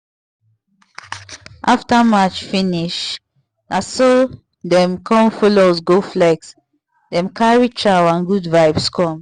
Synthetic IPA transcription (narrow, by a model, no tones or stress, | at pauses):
ʔaftəmat͡ʃfĩniʃ | aso | dɛ̃mkʰɔ̃mfɔlozɡoflɛks | dɛ̃mkaɹit͡ʃaãnɡudvaɪbskʰɔ̃m